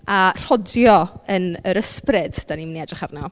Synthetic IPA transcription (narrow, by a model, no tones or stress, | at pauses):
ar̥ɔdjɔənəɾəsprɪd̥d̥animniɛdrɪχarna